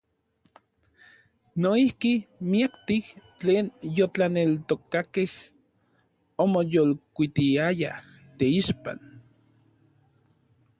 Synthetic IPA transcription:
noihkimiakt̪iht͡ɬeːnjot͡ɬanelt̪okakeh | omojolkʷit̪iaja̰ | t̪eiʃpa̰n

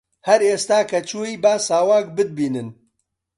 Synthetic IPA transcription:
hɐɾeːst̪aːkʰɐt͡ʃʰuːiːbaːsaːwaːk̚bɨd̪̚biːnɨn

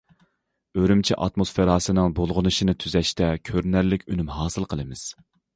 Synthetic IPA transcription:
øɾymt͡ʃʰiʔɑt̪mosfeɾɑːsɨnɨŋbolˠʁʊnɨʃinɨt̪ʰyzɛʃt̪ɛkʲʰøɾnæɾlɪkʲynymɦɑːsɨlˠqʰəlˠɨmɪz̥

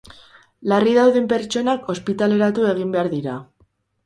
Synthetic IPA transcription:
lariðawðempe̞ɾt͡ʃo̞nakʰo̞spit̪ale̞ɾat̪ue̞ɣ̞imbe̞aɾðiɾa

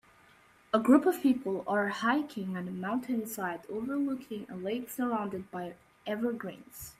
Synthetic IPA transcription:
əɡɹupʌv̥pʰipl̩ˠə˞haɪkʰɪ̃ŋɨ̃nəmãʊ̃ntʰɨ̃nsaɪdoʊvə˞lʊkʰɪ̃ŋə̰leɪksə˞ãʊ̃ndɨd̚baɪ | ʔɛvə˞ɡɹẽɪ̃nz̥

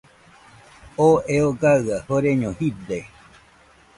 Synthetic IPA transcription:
oeoɡaɨahoɾeɲõhid̪e

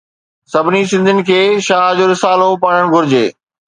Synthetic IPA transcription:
sɐbʱɪnis̬ɪ̃nd̪ʱɪnɪ̆kʰeːʃaːd͡ʑoːɾɪsaːlopɐɽəɽ̃ɡʱʊɾɪd͡ʑeː

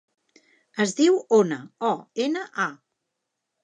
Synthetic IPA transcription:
əzðiwonəɔenəʔa

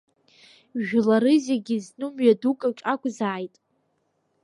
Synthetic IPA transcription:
ʒᶣlaɾɨzeɡʲiznɨmɥadukʼat͡ʃʼakʷʼzaːjtʼ

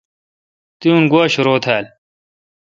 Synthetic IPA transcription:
t̪iunɡwaɕuɾoːt̪ʰaːl

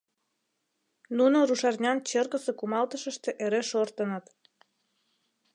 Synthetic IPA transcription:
nunoɾuʃɑrnʲɑnt͡ɕərɣəsekumɑlt̪əʃəʃt̪eʔeɾeʃort̪ənə̆t̪

